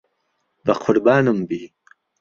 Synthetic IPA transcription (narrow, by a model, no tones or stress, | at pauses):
bɐqʰʊɾbaːnɐmbiː